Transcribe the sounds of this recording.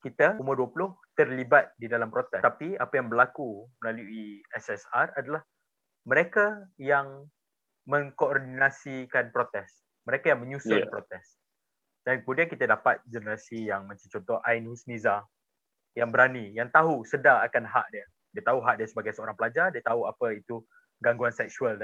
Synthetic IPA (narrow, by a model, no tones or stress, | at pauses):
kit̪əuməduəpulʊht̪ərlibat̪̚didalampɾot̪ɛt̪apiapajaŋbərlakuməlaluiɛsɛsaradalah | mə̃ɾekajaŋ | mə̃ŋkoordinasikanpɾot̪ɛs | məɾekajaŋmə̃ɲusapɾot̪ɛs | d̥ankəmudiankit̪adapat̪̚d͡ʒənəɾasijaŋmãt͡ʃamt͡ʃɔnt̪ɔhʔainhusniza | jaŋbəɾanijaŋt̪aɦusədaŋakanɦa̰ʔdiə | diət̪aɦuɦaʔdiəsəbaɡajsəoɾaŋpəlad͡ʒadiət̪aɦuapait̪u | ɡaŋɡuansɛk̚suald